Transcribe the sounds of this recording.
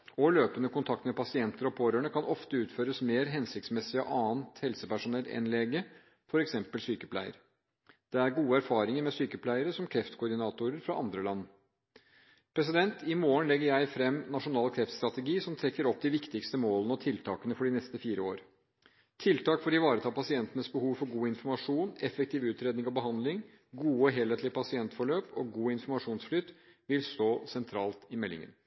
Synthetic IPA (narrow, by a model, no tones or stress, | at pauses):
ɔløːpənəkʊnt̪ʰɑk̚t̪mɛpɑsɪɛnt̪əɾɔpʰoːɾøːɳəkʰɑnʔɔft̪əʉːt̪føːɾəsmeːɾɦɛnsɪkt̪smɛsɪə̰ʔɑːnt̪hɛlsəpæʂʊnɛlɛ̰nleːɡə | fɔɾɛksɛmpəlsyːkəpʰlæ̰ɪə̰ɾ | d̪̥ɛæɾɡuːəæɾfɑːɾɪŋəɾmɛsyːkəpʰlæɪəɾəsɔmkʰɾɛft̪kʰʊɾɖ̪ɪnɑːt̪ʊɾəɾfɾɑʔɑnd̪ɾəlɑnː | pʰɾɛs̬ɪd̪ɛnt̪ɪmoːəɳlɛɡːəɾjæɪfɾɛmːnɑʂʊnɑːlkʰɾɛft̪st̪ɾɑt̪əɡiːsɔmt̪ʰɾɛkːəɾɔpːd̪ɪʋɪkt̪ɪkst̪əmoːlənəɔt̪ʰɪlt̪ʰɑːkənəfɔɖɪnɛst̪əfiːɾəo̰ːɾ | t̪ʰɪlt̪ʰɑːkfɔɖɪʋɑːɾət̪ʰɑːpɑsɪɛnt̪ənəsbəhuːʋfɔɾɡuːɪnfɔɾmɑʂuːnɛfək̚t̪ɪːʋʉːt̪ɾeːd̪nɪŋɔbəɦɑnd̪lɪŋ | ɡuːəɦɛlət̪lɪəpʰɑsɪɛnt̪fɔɭøːpɔɡuːɪnfɔɾmɑʂuːnsflʏt̪ː | ʋɪlst̪oːsɛnt̪ʰɾɑːlt̪ɪmɛlːɪ̰ŋə̰n